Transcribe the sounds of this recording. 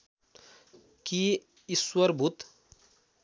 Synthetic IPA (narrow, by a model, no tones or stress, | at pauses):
ki | iswəɾbʱut̪